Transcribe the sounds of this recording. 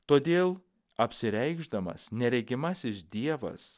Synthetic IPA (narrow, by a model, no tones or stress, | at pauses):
t̪oːd̪ʲeːlˠ | ɐpʲsʲɪɾʲɛɪɡʒd̪ɐmɐ̰snʲɛɾʲɛɡʲɪmɐsɪʃd̪ʲiɛʋɐ̰s